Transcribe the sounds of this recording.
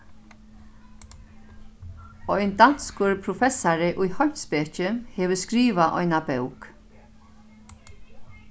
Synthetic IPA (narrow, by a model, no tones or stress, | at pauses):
ɔjnd̪anskʊɹpʰɾʊfɛsaɾɪʔʊjhɔ̥speːt͡ʃɪhɛːʋəskɾiːʋaʔɔ̰jnabœwk